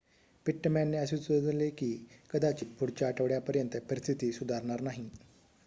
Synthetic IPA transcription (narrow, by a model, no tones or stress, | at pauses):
piʈːmanːeəset͡sod̪ʱlekiːkəd̪at͡ɕiːbʱuɽt͡ɕaːʈəʋɽjapəɾjənt̪əpəɾist̪ʰit̪iːsud̪ʱaɾɳaɾnaɦi